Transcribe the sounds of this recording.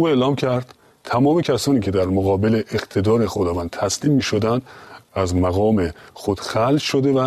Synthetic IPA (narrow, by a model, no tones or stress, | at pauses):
uːe̞ːlɒːmcʰæɾd̪̥ | t̪ʰæmɒːme̞cʰæsɒːniːcʰe̞d̪æɾmoɣɒːbe̞le̞ʔːqt̪ʰe̞d̪ɒːɾe̞xod̪ɒːvænd̪̚t̪ʰæsliːmːiːʃo̞d̪ænd̪æzmæɣɒːme̞xod̪̥xælʃod̪e̞væ